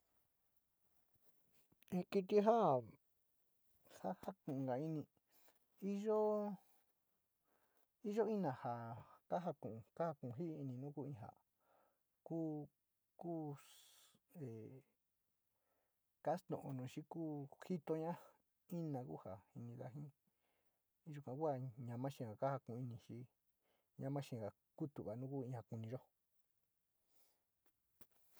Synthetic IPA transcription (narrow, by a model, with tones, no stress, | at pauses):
ẽ˧ki˧t̪i˧ɦa˦ | ha˦ha˦kũ˨ũ˧ɡa˨i˧nĩ˧ | i˦ʒo˦ | i˦ʒo˦i˦nã˨ha˨ka˦ɦa˧kũ˨˧ka˦ha˧kũ˨˧˨ɦi˦˧i˧nĩ˧nũ˦ku˦ĩ˧ɦa̰˨ | ku˦ | kuː˦ | e˨ | ka˦st̪õ̰˨ʔõ˧nũ˨ʃi˦kuː˦xi˦t̪o˧ɲã˦ | i˦nã˧kṵ˦ha˨hi˧nĩ˧ða̰˧ɦĩ˦˧ | ʒu˧kʷã˧ku˦a˧˨ɲã˧mã˦ʃĩ˧˨ha˨ka˦ha˧kũ˧ĩ˧nĩ˧ʃi˦ | ɲã˧mã˦ʃĩ˧˨ha˨ | ku˦t̪u˨βa˨nũ˦ku˦ĩ˧ha˨ku˧nĩ˧ʒo˦